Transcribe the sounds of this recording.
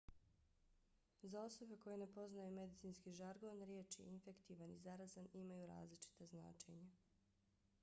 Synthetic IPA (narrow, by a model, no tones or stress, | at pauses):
zao̞so̞beko̞jenepo̞znajume̞d̪it̪siːnskiʒaɾɡo̞ːnɾjeːt͡ʃiinfe̞kt̪iʋanizaɾazanimajuɾa̰ːzlit͡ʃi̥t̪azna̰ːt͡ʃḛɲa